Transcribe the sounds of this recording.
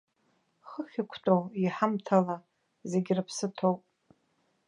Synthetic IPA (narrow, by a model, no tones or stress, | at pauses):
χəχʲikʷʰtʼowiħamtʰala | ze̞ɡʲɪrɨpʰsɨtʰowpʼ